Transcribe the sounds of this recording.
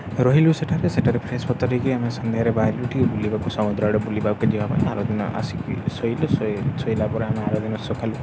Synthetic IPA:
ɾɔɦiluseʈʰaɾeseʈʰaɾepʰɾespɔt̪ːɔɾikiamesɔnd̪eɦaɾebaɦluʈʰiubulibakusɔmud̪ɾaɽɔbulibaked͡ʒibapa̰j̃a̰ɾod̪inɔ̰a̰sikḭsɔjlɔssɔjlapɔɾeameaɾod̪inɔsokʰalu

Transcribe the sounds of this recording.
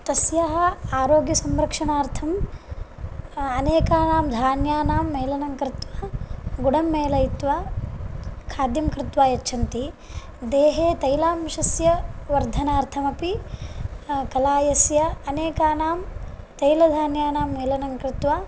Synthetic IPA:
t̪ɐsjɐɦɐ̆aːɾoːɡjɐsɐmɾɐkʂɐɳaːɾt̪ʰɐm | ɐneːkaːnaːmd̪ʱaːnjaːnaːmːeːlɐnɐŋkɾɪt̪ʋaːɡuɽɐmːeːlɐjit̪ʋaː | kʰaːd̪jɐmkɾɪt̪ʋaːjɐt͡ʃːt͡ʃʰɐnt̪i | d̪eːɦeːt̪ɐjlaːmʋiʃɐsjɐʋɐɾd̪ʱɐnaːɾt̪ʰɐmɐpi | kɐlaːjɐsjɐɐneːkaːnaːm | t̪ɐjlɐd̪ʱaːnjaːnaːmːeːlɐnɐŋkɾɪt̪ʋaː

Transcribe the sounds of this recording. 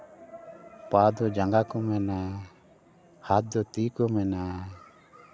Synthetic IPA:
pad̪ɔd͡ʒaŋɡakɔmɛna | hat̪̚d̪ɔt̪ikɔmɛna

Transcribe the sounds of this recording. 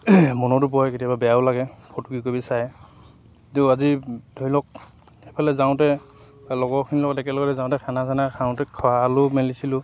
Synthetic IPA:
mɔnɔtup̬ɔjketiababɛjaʊlaɡɛpʰɔtuɡikobisajɛ | tuazidʱojlɔk̚ | xepʰalɛzaw̃tɛ | lɔɡɔɹkʰinilɔɡɔtɛkɛlɔɡɔtɛzaw̃tɛkʰanasanakʰaw̃tɛkʰwalʊmelisilʊ

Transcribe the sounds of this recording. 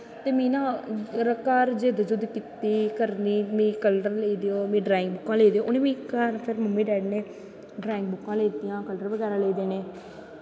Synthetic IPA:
t̪eːmĩːnãːɾəkaːɾd͡ʒeːd̪əd͡ʒʊd̪kit̪iːkəɾniːmĩːkəlɖəɾleːiːd̪eːoːmẽːɖɾaːɪ̃ŋɡbʊkːãːleːd̪eːoːʔʊnẽːmĩːkaːɾpʰɪɾməmːĩːɖɛːɖneː | ɖɾaːɪŋɡ̚bʊkːãːleːt̪iːjãːkəlɖəɾʋəɡɛːɾãːleːd̪eːneː

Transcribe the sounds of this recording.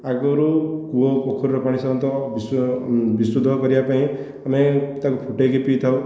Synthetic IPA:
akɔɾukuɔpɔkʰɔɾiɾɔpaɽ̃isɔmɔnt̪ɔbisbisɾud̪ʱɔkɔɾibapaĩ | amet̪akupʰuʈekepit̪ʰaw

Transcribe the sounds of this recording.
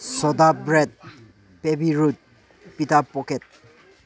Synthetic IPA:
sɔd̪abɹɛd̪̚ | pebiɹut̪̚ | pitappːɔket̪̚

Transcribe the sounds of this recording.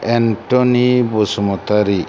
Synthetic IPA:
ɛnʈɔnibɔsɔmɔt̪aɾi

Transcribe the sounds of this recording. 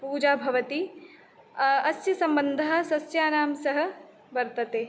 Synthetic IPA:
puːd͡ʒaːbʱɐʋɐt̪i | ɐsjɐsɐmbənd̪ʱɐɦɐsɐsjaːnaːmsɐɦɐ̆ | bɐɾt̪ɐt̪eː

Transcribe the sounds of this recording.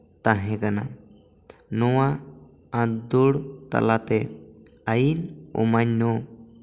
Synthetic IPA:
t̪aɦẽkana̰ | nɔwa | ãd̪oɽt̪a̰lat̪e | ajinṵmaɲːo

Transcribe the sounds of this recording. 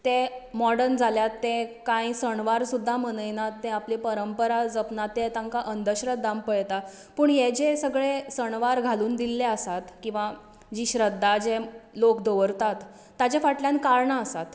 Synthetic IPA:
t̪emɔɽəɾnd͡zʱaljat̪ːẽkãĩsəɳʋaɾsud̪ʱːamənəjnat̪ːẽaplipəɾəmpəɾad͡zəpnat̪ːet̪ãŋkaʔənd̪əɕɾət̪ːampəɭt̪a | pəːɳɦed͡ʑesəɡɭesəɳʋaɾɡʱaluːnd̪ilːeəsat̪kĩw̃ʋa | d͡ʑiːɕɾəd̪ʱːad͡zelokd̪əʋəɾt̪at̪ː | at͡ɕefaʈljãnkaɾɳəəsat̪

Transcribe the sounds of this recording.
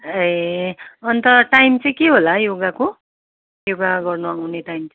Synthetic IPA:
e | ʌnt̪ʌʈajmt͡sʌĩkeɦolajoɡako | joɡaɡʌrnuawneʈajmt͡s

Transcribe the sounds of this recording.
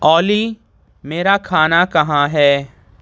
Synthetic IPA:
ɔːli | meːɾakʰaːnakɐɦãɦɛː

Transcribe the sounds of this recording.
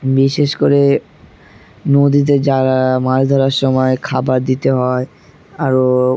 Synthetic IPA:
biʃeʃkoɾe | nod̪it̪̬ed͡ʑaɾamaɾd̪ʱɔɾaɾʃɔmɔekʰabaɾd̪it̪eɦɔe | aɾo

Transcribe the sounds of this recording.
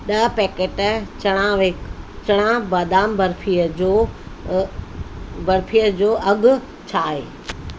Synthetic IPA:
ɗɐɦpɛːkeːʈt͡ɕɐɽ̃ãʋet͡ɕɐɽ̃ãbaːd̪aːmbɐɾfʰijəd͡ʑoː | bɐɾfʰijəd͡ʑoːʔɐɡʊ | t͡ɕʰaːɦḛː

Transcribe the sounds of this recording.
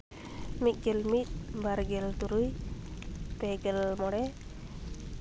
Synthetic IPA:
mit̪̚ˀɡɛlmit̪̚baɾɡɛlt̪uɾuj | pɛɡɛlmɔɽɛ

